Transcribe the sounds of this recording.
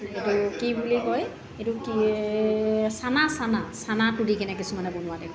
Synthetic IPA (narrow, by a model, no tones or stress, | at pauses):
etukibulikɔj | etuki | sanasanasanatudikɛnɛk̬isumanɛbonʊwadɛ